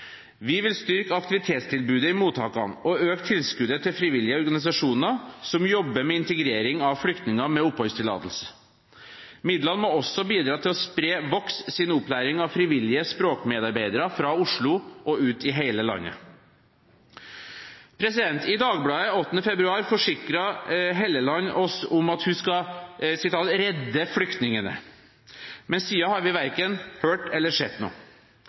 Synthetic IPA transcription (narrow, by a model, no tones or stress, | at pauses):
ʋɪʋɪlst̪ʏɾkɑkt̪ɪʋɪt̪ʰeːt̪st̪ʰɪlbʉːd̪əɪmuːt̪ʰɑ̰ːkɑ̰nɔøːkt̪ʰɪlskʉd̪ət̪ʰɪlfɾɪʋɪlːɪəɔɾɡɑnɪs̬ɑʂuːnəsɔmjɔbːəɾmɛɪnt̪əɡɾeːɾɪŋɑʋfɽʏkt̪nɪŋɑmɛʊphœʏst̪ʰɪlɑ̰ːt̪əl̩sə̥ | mɪd̪lɑnmɔːɔsːɔbiːd̪ɾɑːt̪ʰɪlɔspɾeːʋɔkssɪnʊplæːɾɪŋɑʋfɾɪʋɪlɪəspɾoːkmeːd̪ɑɾbeɪd̪əɾəfɾɑʊʂɭʊʔɔʉːt̪ɪɦeɪləlɑ̰nːə̰ | pʰɾɛsɪd̪ɛnt̪ɪd̪ɑːɡblɑːəɔt̪ːənəfɛbɾʉɑːɾfɔʂɪkɾɑɦelːəlɑnːʔɔsʊmɑt̪hʉskɑsɪt̪ʰɑːlɾɛd̪ːəfɽʏkt̪nɪŋənə̰ | mɛnsiːɑhɑɾʋɪʋæɾkənhøːʈɛlːəʂɛd̪no̰ː